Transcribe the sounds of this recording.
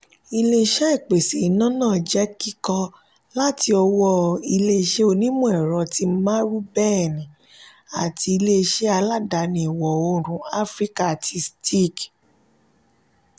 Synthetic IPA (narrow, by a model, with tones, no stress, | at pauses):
i˧le˦˧ʃɛ˦i˦˨k͡pe˨se˨i˨˦nã˦nãː˦˨d͡ʒɛ˨˦ki˦kɔ˧ | la˦ti˧ɔ˧wɔ˦i˧le˦˧ʃe˦o˧nĩ˦mũ˦ɛ˨ɾɔ˨ti˧m̩˦mã˦ɾu˦bɛ˦˨nĩ˨ | a˨ti˧i˧le˦˧ʃe˦a˧la˦da˨˦nĩ˧i˨wɔ˨o˧ɾ̃ũ˨a˦fɾi˦ka˦˨tʰi˧sti˦˨k